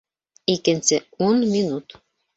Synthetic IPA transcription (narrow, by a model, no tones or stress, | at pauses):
ikĕnseunminut̪